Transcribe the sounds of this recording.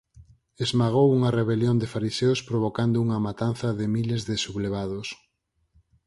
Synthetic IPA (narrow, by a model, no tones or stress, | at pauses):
ezmaɣ̞owuŋɐreβeljond̪ɪfaɾiseʊspɾoβ̞okand̪ʊuŋɐmat̪an̟θɐðɪmilezðɪsuβleβ̞aðʊs